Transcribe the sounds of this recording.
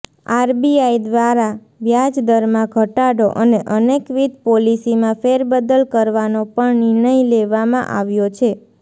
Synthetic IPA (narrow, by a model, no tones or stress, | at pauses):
aɾbiaid̪ʋaɾa | ʋjad͡ʒd̪əɾmãɡʱəʈaɽoʔəneʔənekʋid̪̚ʱpolisimãfeɾbəd̪əlkəɾʋanopəɳnɪɾɳəileʋamã̰ʔaʋjot͡ʃʰe